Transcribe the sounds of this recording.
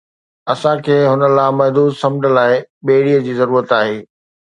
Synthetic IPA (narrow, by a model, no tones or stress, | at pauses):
ɐsãkʰeːɦʊnə̆laːmɐɦd̪uːd̪sɐ̃md͡ʑəlaːɪɓeːɽiːəd͡ʑiːzɐɾuːɾət̪aːɦeː